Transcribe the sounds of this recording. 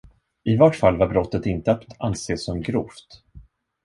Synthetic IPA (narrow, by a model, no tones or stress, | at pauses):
ɪvɔʈfalːvaɾbɾɔt̪ːət̪ɪnt̪əat̪anseːsːɔmɡɾuːft̪